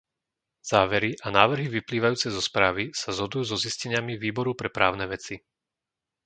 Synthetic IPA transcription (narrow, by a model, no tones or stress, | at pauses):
z̥aːʋɛɾiʔanaːʋr̩ɦiʋipliːʋajuːt͡sɛzɔspɾaːʋisazɦɔd̪ujuːzɔziscɛɲɪamiʋiːbɔɾupɾɛpɾa̰ːʊnɛʋɛt͡si